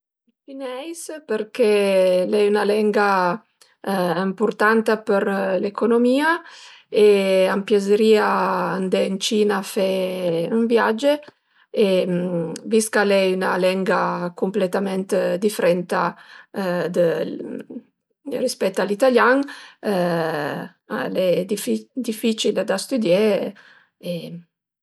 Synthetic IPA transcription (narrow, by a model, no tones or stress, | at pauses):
finɛjspəɾkɛlɛynalɛŋɡa | impuɾt̪ant̪apəɾlekonomiːaeampjazeɾiːaːnd̪ɛnt͡ʃiːnafɛuɱvjad͡ʒe | emviskalɛynalɛŋɡakumplet̪amɛnt̪d̪ifɾɛnt̪a | d̪ə | rispɛt̪ːalit̪aljaŋ | lɛd̪ifd̪ifit͡ʃild̪ast̪yd̪je | e